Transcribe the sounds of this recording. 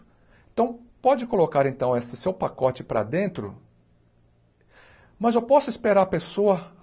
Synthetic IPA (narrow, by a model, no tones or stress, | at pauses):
ẽt̪ɐ̃w̃pɔd͡ʒɪkolokaɾẽnt̪ɐ̃w̃esɪsewpakɔt͡ʃɪpɾɐ̰d̪ẽnt̪ɾʊ̰ | mɐzewpɔsʊispeɾaɾɐpesoɐ